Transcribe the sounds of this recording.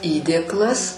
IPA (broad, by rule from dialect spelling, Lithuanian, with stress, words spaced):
ˈiːdʲeːklˠɐs